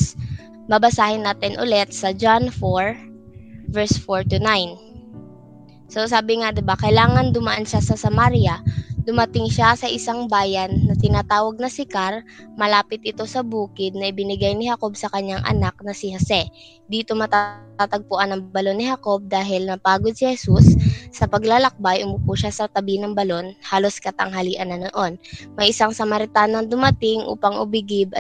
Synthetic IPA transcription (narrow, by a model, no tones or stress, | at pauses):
bɐbɐsaːhɪnːaːt̪ɪnʔʊ̰lɛt̪̚sɐd͡ʒanfoɹ | vɛɹsfoɹt̪ʊnajn | so̞saːbɪŋad̪ɪbakɐjlaːŋɐnd̪ʊmɐʔanʃasɐsɐmaɾjɐd̪ʊmɐt̪ɪŋʃasɐʔɪsaŋbaːjɐnːɐt̪ɪnaːt̪aːwɐɡ̚nɐsɪkaɾmɐlaːpɪt̪̚ʔɪt̪o̞sɐbuːkɪd̪̚nɐʔɪbɪnɪɡajnɪhɐko̞bsɐkɐɲːaŋʔɐ̰nak̚nɐsɪhosɛ | d̪iːt̪o̞mɐt̪aat̪ɐɡ̚pʊʔanːɐŋbɐlo̞nːɪhako̞b̚d̪aːɦɪlnɐpaːɡod̪̚sɪhɛsusːɐpɐɡlalɐk̚bajʔʊmʊpuʃasɐt̪ɐbinɐŋbɐlo̞nhaːlo̞skɐt̪ɐŋɦɐliːʔɐnːɐnɐʔo̞nmɐjʔɪsaŋsɐmɐɾɪt̪aːnond̪ʊmɐt̪ɪŋʔṵːpɐŋʔʊ̰bɪɡɪb